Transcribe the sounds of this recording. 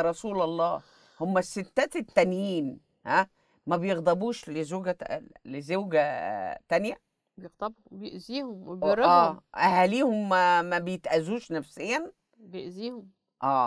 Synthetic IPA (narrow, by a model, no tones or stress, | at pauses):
ɾˤɑsuːlɑlˤːɑː | homːæsːet̪ːæːt̪et̪ːænjiːn | hæ | mæbejeɣd̪ˤɑbuːʃlezoːɡælezewɡæt̪ænjæ | bjeɣd̪ˤɑbhbejeʔziːhomwebjɾˤɑæːʔæhæliːhomːmæbejet̪ʔæzuːʃnæfsejːæn | bjeʔziːhom | ʔæː